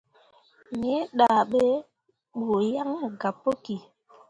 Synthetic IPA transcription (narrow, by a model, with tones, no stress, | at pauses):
me˨˦ɗa˨ɓe˦ | ɓu˨ja˦ŋa˦ɡa˨pːo˦ki˨